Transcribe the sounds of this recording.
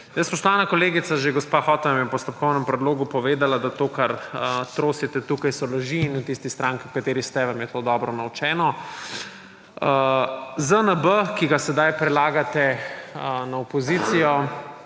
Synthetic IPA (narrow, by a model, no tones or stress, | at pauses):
nəspɔʃt̪ɔʋanakoleːɡit̪saʒeɡɔspaxɔt̪amjɛpɔst̪ɔpkɔwnɛmpɾɛd̪loːɡupɔʋeːd̪alad̪at̪oːkaɾət̪ɾoːsit̪ɛt̪uːkajsɔlɐʒiːnwt̪ist̪ist̪ɾaːŋkikat̪eːɾist̪ɛʋamjɛt̪oːd̪ɔbɾɔnawt͡ʃɛːnɔ | əzənəbəkiɡasɛd̪ajpɾɛlaːɡat̪ɛənaɔpɔzit̪sijɔ